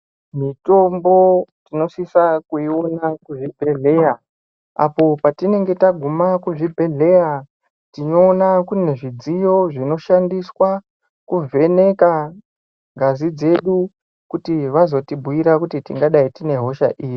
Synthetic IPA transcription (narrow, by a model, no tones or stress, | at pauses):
mito̞mbo̞tino̞sisakuio̞nakuʐibʱe̞ɮe̞ja | a̰po̞patine̞ŋɡe̞taɡʱumakuʐibʱe̞ɮe̞ja | tinoːnakuneʐid͡zijo̞ʐino̞ʃandiswa | kuvʱe̞ne̞ka | ŋɡazid͡ze̞ɗu | kutiʋazo̞tibʱuiɾakutitḭŋɡaɗaitine̞ɦo̞ʃa̰ʔiːji